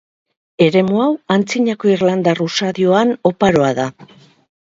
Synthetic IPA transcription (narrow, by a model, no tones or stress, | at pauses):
e̞ɾe̞muawant͡siɲako̞iɾland̪arusaðioano̞paɾo̞aða